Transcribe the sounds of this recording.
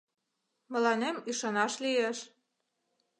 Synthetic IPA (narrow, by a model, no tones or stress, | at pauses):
mə̆lɑnemyʃɑnɑʃlijeʃ